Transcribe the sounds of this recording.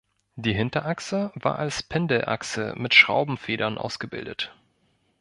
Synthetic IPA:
d̥iːɦɪntɐʔaksəvaːɐʔalspʰɛndəʔa̰ksə̰mɪtʃʁ̥a̰ʊbm̩feːɾɐnʔa̰ʊsɡ̥əbɪ̰ldət

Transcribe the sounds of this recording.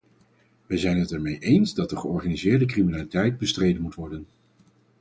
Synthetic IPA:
ʋəjzɛjnɦətɛɹmejʔejnzdɑt̚dəχəɔɹχaːnizɪːɹdəkriminaːlitɛjd̚bəstrejdənmutʋɔɹdən

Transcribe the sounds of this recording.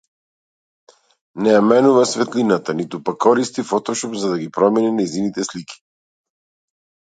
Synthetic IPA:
nɛjamɛnuvasvɛt̪linat̪anit̪upakʰːɔɾist̪ifɔt̪ɔʃɔpzad̪aɡipɾɔminɛnajzinit̪ɛslikʰi̥

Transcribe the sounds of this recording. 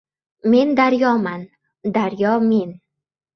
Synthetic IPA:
me̞nd̪aɾjɒman | d̪aɾjɒme̞n

